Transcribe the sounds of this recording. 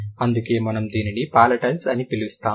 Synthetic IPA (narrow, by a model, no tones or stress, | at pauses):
ɐnd̪uke̞ːmɐnɐmd̪iːninipaːlɐʈɐlsɐnipilist̪aː